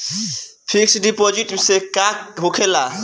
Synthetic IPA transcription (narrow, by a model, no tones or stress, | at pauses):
pʰiksɖipɔd͡ʒiʈisekakɦokʰela